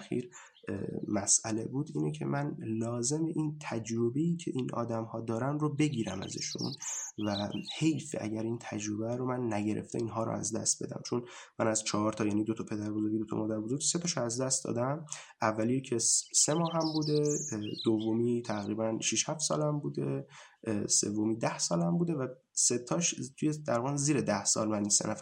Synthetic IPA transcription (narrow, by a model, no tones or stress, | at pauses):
xḭɾ | mæsʔæle̞̰buːd̪iːnecʰe̞̰mʔænlɒːze̞meʔint̪ʰæd͡ʒɾobe̞iːcʰe̞̰ʔiːnʔɒ̰ːd̪æmhɒːd̪ɒːɾænɾobe̞ɟiːɾæmæ̰zḛʃṵnvæhe̞jfeʔæ̰ɟæɾiːnt̪ʰæd͡ʒɾo̞bæɾomænːæɟeɾʔḛft̪ʰeinɦɒːɾo̰æ̰zd̪æ̰st̪̚be̞̰d̪æ̰mt͡ʃʰon | mænæzt͡ʃʰɒɦɒɾt̪ʰɒjæːniːd̪ot̪ʰɒpʰe̞d̪æɾbozoɾɟid̪ot̪ʰɒ̰mɒːd̪æɾbozoɾɡise̞t̪ʰɒʃoæzd̪æst̪d̪ɒ̰ːd̪æm | ævːælijecʰese̞mɒːɦæmbuːd̪ed̪̥ovːomiːt̪ʰæɣɾiːbænʃiʃhæft̪sɒ̰ːlæmbuːd̪e̞ | se̞̰vːomiːd̪æhsɒːlæmbuːd̪e̞væ | se̞t̪ʰɒːʃt̪ʰujed̪̥æɾɒɣænziːɾed̪æhsɒ̰ːlmænisḛnʔæfæ